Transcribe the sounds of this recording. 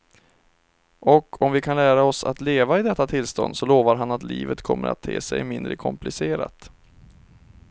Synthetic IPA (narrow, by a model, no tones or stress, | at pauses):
ʔɔkʰɔmvɪkʰanlæːɾaɔsa̰t̪leːvaɪd̪ɛt̪ːat̪ʰɪlst̪ɔ̰nd̪sɔloːvaɾɦanat̪liːvət̪kʰɔmːəɾa̰t̪ʰːeːsɛjmɪnd̪ɾəkʰɔmplɪseːɾa̰t̪